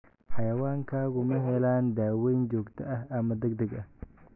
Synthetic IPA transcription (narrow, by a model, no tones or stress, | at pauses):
ħɑjɐwaːŋkʰaːɣʊmɐɦɛlaːnd̪aːwɛjnd͡ʒɔːɡt̪ʰɐʔɐhʔɐmɐd̪ɛɡd̪ɐɡʔɐh